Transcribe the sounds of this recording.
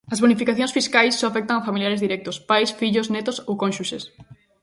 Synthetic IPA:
ɐzβonifikaθjõŋsfiskajsːɔafɛk̚t̪aŋafamiljaɾezðiɾɛk̚t̪ospajsfiʎosnɛt̪osowkõnʃuʃes

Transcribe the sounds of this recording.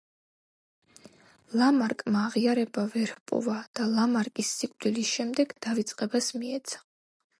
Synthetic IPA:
lamaɾkʼmaːʁiaɾɛbavɛɾhpʼɔ̰vad̪̥alamaɾkʼisːikʼd̪ilisʃɛmd̪ɛɡd̪̥avit̪sʼqʼɛbasmiɛt̪sʰḁ

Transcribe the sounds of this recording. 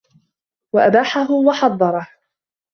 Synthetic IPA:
waʔabaːħaɦʊwɑħɑd̪ˤːɑɾˤɑh

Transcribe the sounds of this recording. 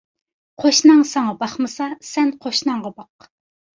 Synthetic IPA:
qʰoʃnɑŋsɑŋɑbɑχmɨsɑsɛnqʰoʃnɑŋʁɑbɑq

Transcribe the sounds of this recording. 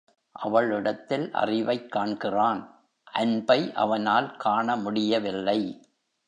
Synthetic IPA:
ʔɐʋɐɭɪɽɐt̪ːɪlʔɐ̰rɪʋɐɪkːaːɳkɪraːn | ʔɐnbɐɪʔɐ̰ʋɐnaːlkaːɳɐmʊɽɪjɐʋɪlːɐɪ

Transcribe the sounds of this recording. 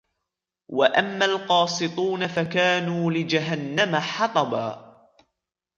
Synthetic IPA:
waʔamːalqɑːsˤɨt̪ˤuːnafakaːnuːlɪd͡ʒaɦanːamaħɑt̪ˤɑbaː

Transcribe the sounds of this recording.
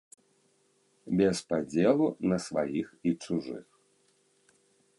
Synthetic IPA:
bʲɛspad͡zʲɛlˠunɐsva̰jixit͡ʂuʐɨ̰x

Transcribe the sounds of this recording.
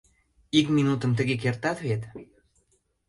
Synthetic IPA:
ikminut̪ə̆mt̪ə̆ɣek̬ert̪ɑt̪βet̪

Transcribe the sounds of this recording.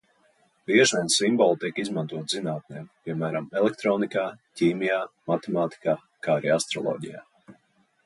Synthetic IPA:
biɛʒʋʲiɛnsimbɔlˠt̪iɛkizmant̪uɔt̪z̥inaːt̪̚neːmpʲiɛmæːɾamɛlˠɛk̚t̪ɾɔːnikaːciːmijaːmat̪emaːt̪i̥kaː | kaːaɾiːast̪ɾɔlˠɔ̰ːɟḭja̰ː

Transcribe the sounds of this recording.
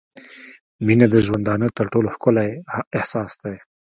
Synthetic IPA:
minad̪əʒwand̪ɑnət̪əɾʈoloxkʊlaɪhsɑsd̪aj

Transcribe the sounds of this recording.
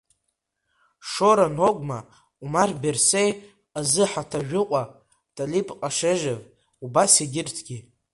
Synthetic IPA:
ʂoɾanokʷʼma | umarbersej | azɨħatʰaʒᶣʊqʷʼa | tʰʼalipʼqʼaʂeʒav | ubasiɡʲɪrtʰɡʲi

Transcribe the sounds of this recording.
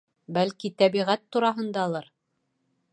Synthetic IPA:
bælkit̪æβiʁæt̪ːuɾɑɦɤ̆nd̪ɑlˠɤɾ

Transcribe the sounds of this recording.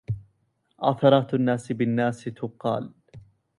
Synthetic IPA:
ʔɑ̰θɑɾˤɑːt̪anːaːsɪbɪnːaːst̪ʊqɑ̰ːl

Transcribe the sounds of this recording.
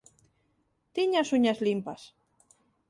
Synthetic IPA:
t̪iɲasuɲazlimpas

